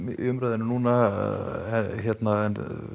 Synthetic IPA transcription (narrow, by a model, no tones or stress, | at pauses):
ʔʏmɾœðɪnʏnuːna | ɛçjɛt̪naɛn